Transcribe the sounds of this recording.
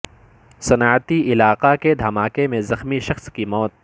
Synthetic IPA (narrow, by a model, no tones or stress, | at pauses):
sɐnaːt̪iʔɪlaːqaked̪ʱɐmaːkemẽzɐxmiʃɐxskimɔːt̪̚